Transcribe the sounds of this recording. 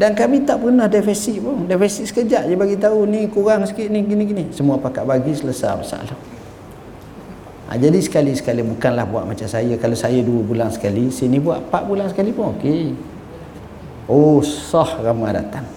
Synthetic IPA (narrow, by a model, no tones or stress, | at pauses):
dankamit̪aʔpəɣənəhdafɛsiʔpʊŋdafɛsisə̥kəd͡ʒaʔjəbaɡit̪aunikuɣaŋsə̥kiʔ̪niɡiniɡinisəmuapakaʔbaɡisəlasa̰bəsa̰ʔla | ʔa̰d͡ʒadisə̥kalisə̥kalibukanlahbua̰ʔmat͡ʃamsajəkalosajəduəbulansə̥kalisinibuaʔpaʔbulaŋsəkalipʊŋoke | osɔhramada̰t̪aŋ